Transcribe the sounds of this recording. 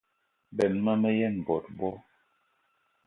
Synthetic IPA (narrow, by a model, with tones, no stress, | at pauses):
bɛ˨nma˦mə˦jɛ˦˨n˨bɔ˨t̚bɔ˦